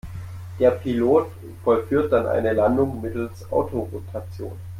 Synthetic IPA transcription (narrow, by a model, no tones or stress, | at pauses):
d̥eːɐpʰiloːt | fɔlfyːɐt̚d̥anʔa̰ɪnəlandʊŋmɪtl̩sʔa̰ʊtʰoʁotʰat͡sjo̰ːn